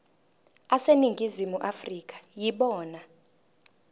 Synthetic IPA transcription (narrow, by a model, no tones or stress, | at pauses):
aseniŋɡʱizimuʔafrik̬ʰʼḁjiɓɔːna